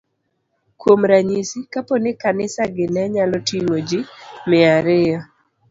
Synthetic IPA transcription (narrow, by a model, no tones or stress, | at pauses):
kwomɾaɲisikapɔnɪkanɪsaɡɪnɛɲalɔtiŋod͡ʒimɪaɾɪjɔ